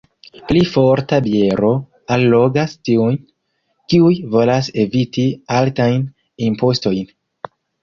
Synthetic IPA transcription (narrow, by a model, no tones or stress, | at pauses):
plifo̞ɾtabie̞ɾo̞ | alːo̞ɡastiujn | kiujvo̞lase̞vitialtajn | impo̞sto̞jn